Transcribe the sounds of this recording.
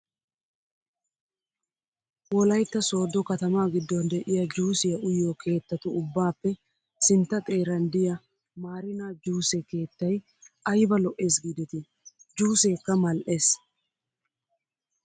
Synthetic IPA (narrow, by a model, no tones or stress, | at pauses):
wɔlɐjt̪ːɐso̞ːd̪ɔkɐt̪ɐmaːɡɪd̪ːɔnd̪ɛʔɪjɐd͡ʒuːsɪjɐʔʊjoːkʰe̞ːt̪ːɐt̪ʊʊbːaːpːɛ | sɪnt̪ːɐt̪ʼe̞ːɾɐnd̪ɪjɐ | maːɾɪnaːd͡ʒuːsɛke̞ːt̪ːɐj | ʔɐjbɐlɔʔe̞ːsɡid̪ɪt̪ɪ | d͡ʒuːseːkːɐmɐlʔe̞ːs